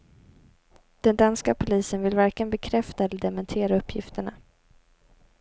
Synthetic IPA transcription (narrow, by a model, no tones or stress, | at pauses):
d̪̥ɛnd̪anskapʰʊliːsənvɪlvaɾkənbɛkʰɾɛft̪aɛlːəd̪ɛmɛnt̪ʰeːɾaɵpːjɪ̰ft̪əɳa